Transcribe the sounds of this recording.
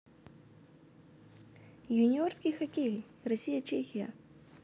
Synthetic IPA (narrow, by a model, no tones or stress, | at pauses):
junʲiorskʲijxɐkʲe | rɐsʲijat͡ʃexʲija̰